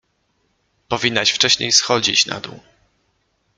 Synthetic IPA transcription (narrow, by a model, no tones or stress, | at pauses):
pɔvʲinːaɕft͡ʂɛɕɲejsxɔd͡ʑḭt͡ɕna̰d̪ṵ